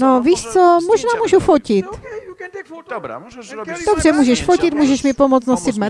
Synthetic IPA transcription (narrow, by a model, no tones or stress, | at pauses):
noviːʃt͡somoʒnaːmuːʒufocɪt̪ | d̥obr̝ɛmuːʒɛʃfocɪt̪muːʒɛʃmɪpomot͡st̪nosɪd̪mɛ